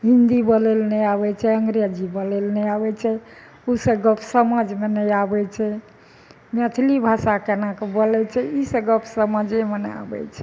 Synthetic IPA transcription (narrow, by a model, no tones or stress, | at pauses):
ɦind̪ibəlelnɛabɛt͡ʃʰɛəŋɡɾijəd͡ʒibəlɛlnɛabɛt͡ʃʰɛ | usəɡəpʰsəməd͡ʒmenɛjabɛt͡ʃʰɛ | met̪ʰlibʱasakenakebəlɛt͡ʃʰɛisəɡəpʰsəməd͡ʒemena̰bɛ̰t͡ʃʰɛ